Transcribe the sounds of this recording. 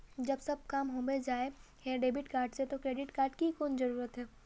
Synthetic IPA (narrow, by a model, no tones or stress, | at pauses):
d͡ʒɐbsɐb̚kaːmɦoːmed͡ʒaːe | hɛːɖeːbɪʈkaːɾɖset̪okɾeːɖɪʈkaːɾɖkikoːnzɐɾuːɾət̪ɦɛː